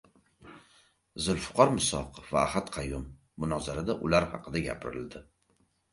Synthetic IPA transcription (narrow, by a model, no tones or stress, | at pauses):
zʊlfʊ̥qʰɒɾmʊsɒ̰qʰɨfva̰ːhat̪qʰɑjʊmː | ʊnɒzaɾad̪aʔʊlaɾhɑ̰qʰɨd̪aɡʲa̰pʰɪɾɪ̰ld̪ɪ